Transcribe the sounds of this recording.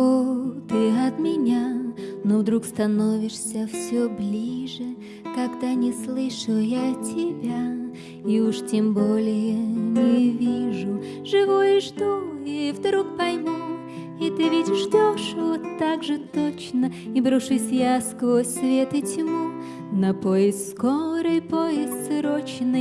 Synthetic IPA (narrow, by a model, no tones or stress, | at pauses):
ot̪ɨɐt̪mʲɪnʲanovd̪ɾukst̪ɐno̞vʲɪʂsʲəfsʲoblʲiʐɨ | kɐɡd̪anʲɪslˠɨʂʊjatʲɪbʲa | iuʂtʲembolʲɪjənʲɪvʲiʐʊ | ʐɨvojɪʐd̪uivd̪ɾuk̚pɐjmu | it̪ɨvʲɪtʲʐdʲoʂvot̪ːaɡʐɨt̪o̞t͡ɕnəibɾʊʂɨsʲjaskvosʲsvʲet̪ɨtʲmu | nɐpojɪst̪skoɾɨjpojɪst̪sɾot͡ɕnɨ